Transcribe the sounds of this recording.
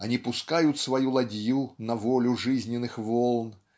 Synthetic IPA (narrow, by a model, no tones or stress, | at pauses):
ɐnʲipʊskajʊt̪svɐjulˠɐdʲjunɐvɔlʲʊʐɨzʲnʲɪnɨxvɔlˠn